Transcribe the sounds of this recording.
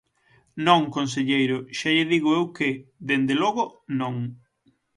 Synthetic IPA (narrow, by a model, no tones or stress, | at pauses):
nõŋkonseʎejɾʊʃaʎeðiɣʊewkɪðend̪elɔɣonõŋ